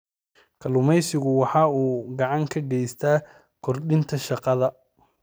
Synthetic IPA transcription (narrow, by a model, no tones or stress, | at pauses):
kʰɐlʊmɛjsɪɣʊwɑħɑːuːɡɑʕɑŋkʰɐɡɛjst̪ʰaː | kʰɔrɗɪnt̪ʰɐʃɑqɑðɐ